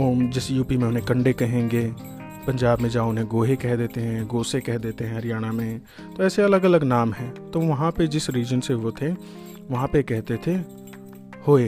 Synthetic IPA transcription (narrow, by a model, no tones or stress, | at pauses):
oːd͡ʒɪsjuːpimẽʊnɦẽkɐ̃ɳɖekɐɦẽːŋɡeː | pɐ̃ɲd͡ʒaːbmẽd͡ʒaʊnɦẽɡoːɦekɛɦd̪eːt̪eɦɛ̃ɡoːsekɛɦd̪eːt̪eɦɛ̃ɾɪjaːɽ̃amẽ | t̪oɛːseɐləɡɐləɡnaːmɦɛ̃ːt̪oːʋɐɦãped͡ʒɪsɾiːd͡ʒənseʋot̪ʰe | ʋɐɦãpekɛɦt̪et̪ʰe | hoːeː